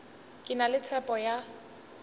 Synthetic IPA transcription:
kʼɪnalɪt͡sʰɛpʼɔja

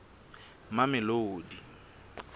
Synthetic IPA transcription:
mamɪloːdi

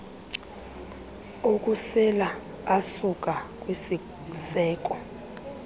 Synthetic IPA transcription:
okʼusɛlaː | sukʼakʼwisi | sɛːk̬ʼɔ

